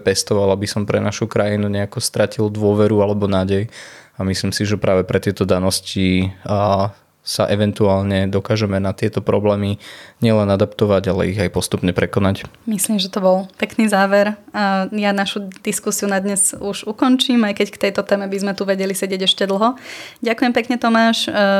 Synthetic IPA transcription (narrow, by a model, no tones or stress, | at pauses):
pɛst̪ɔʋalabisɔmpɾɛnaʃukɾajinuɲɛakɔst̪ɾacild̪ʊɔʋɛɾualɛbɔnaːɟɛjamisliːmsiʒɛpɾʔaːʋɛpɾɛt̪ɪɛt̪ɔd̪anɔsci | sa̰ʔɛʋɛnt̪uaːlɲɛd̪ɔkaːʒɛmɛnat̪ɪɛt̪ɔpɾɔblɛːmiɲɪɛlɛnad̪apt̪ɔʋaɟalɛ̰iɣajpɔst̪upɲɛpɾɛkɔnacmisliːmʒɛt̪ɔbɔlpɛkniːzaːʋɛɾjanaʃud̪iskusiunad̪ɲɛzuʒukɔnt͡ʃiːmajkɛckt̪ɛjt̪ɔt̪ɛːmɛbizmɛt̪uʋɛɟɛlisɛɟɪɛɟɛʃcɛd̪l̩ɦɔɟakujɛmpɛkɲɛt̪ɔmaːʃ